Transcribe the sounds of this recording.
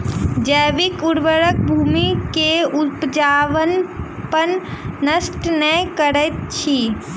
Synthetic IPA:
d͡ʒəːʋikuɽʋəɾək̚bʱuːmikeupd͡ʒaːʋən | pənːəsʈnəjkəɾət̪̚t͡ʃʰi

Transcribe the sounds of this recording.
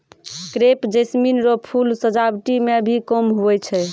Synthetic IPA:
kɾepd͡ʒesminɾɔpʰulsəd͡ʒabʈimebʱikɔmɦuɛt͡ʃʰɛ

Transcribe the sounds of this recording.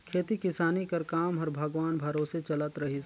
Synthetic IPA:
kʰeːt̪ikɪsaːnikɐɾkaːmɦɐɾbʱɐɡʋaːnbʱɐɾoːset͡ʃɐlət̪ɾəɦi

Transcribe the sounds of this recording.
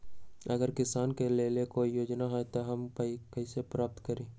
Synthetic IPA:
ɐɡəɾkɪsaːnkeleːlekoːijoːd͡ʒnaɦɛt̪oɦɐmkəikɐɦisepɾaːp̚t̪kəɾẽː

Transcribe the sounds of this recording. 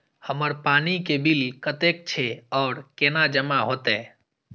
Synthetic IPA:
həməɾpaːnikebilkət̪ek̚t͡ʃʰeɔːɾkenad͡ʒəmaɦot̪eː

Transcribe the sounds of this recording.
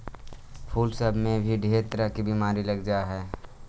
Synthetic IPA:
pʰuːlsəbmẽbʱiɖʱeːt̪ɾakibimaːɾiləɡd͡ʒaɦɛː

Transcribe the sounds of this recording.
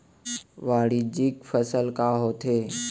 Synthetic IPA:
ʋaːɽid͡ʒɪkfʰəsəlkaɦoːt̪ʰeː

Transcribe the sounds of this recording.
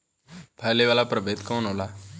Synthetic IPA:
pʰəjleʋaːlapɾəbʱeːd̪kɔ̃ːnɦoːla

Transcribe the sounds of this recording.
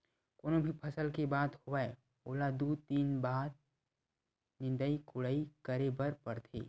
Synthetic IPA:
koːnõbʱipʰɐsəlkebaːd̪hoae | oːlad̪uːd̚t̪iːnbaːd̪̚ | nɪ̃nd̪əikʊɽəikəɾebəɾpəɾt̪ʰḛː

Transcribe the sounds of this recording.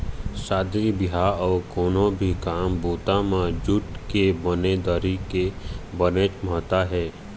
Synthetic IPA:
saːd̪ɾibɪɦaɔːɾkɔːnõbʱikaːmboːt̪amãd͡ʒʊʈkebəned̪əɾikebənet͡ʃməɦt̪aɦɛː

